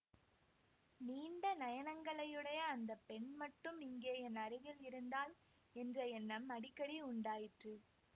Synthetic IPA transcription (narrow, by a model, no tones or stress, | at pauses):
niːɳɖɐnɐjɐnɐŋɡɐɭɐjɯɽɐjɐːnd̪ɐpːɛɳmɐʈːɯmɪŋɡeːjɐnɐɾɪɣɐɭɪɾɯnd̪aːl | ɛndrɐɛnːɐmɐɽɪkːɐɽiʊɳɖaːjɪʈrɯ